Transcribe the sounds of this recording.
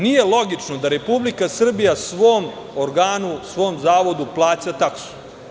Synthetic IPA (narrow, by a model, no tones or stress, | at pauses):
nije̞lˠo̞ɡit͡ʂno̞d̪aɾe̞publikasr̩bijasʋo̞ːm | oɾɡaːnusʋo̞ːmzaːʋo̞d̪uplˠaːt͡ɕat̪aksu̥